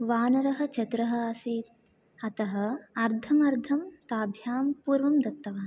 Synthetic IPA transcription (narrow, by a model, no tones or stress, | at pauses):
ʋaːnɐɾɐɦɐ̆t͡ʃɐt̪ɾɐɦɐ̆aːseːt̪ | ɐt̪ɐɦɐ̆ɐɾd̪ʱʰɐmɐɾd̪ʱʰɐmt̪aːbʱjaːmpuːɾʋɐmd̪ɐt̪ːɐʋaː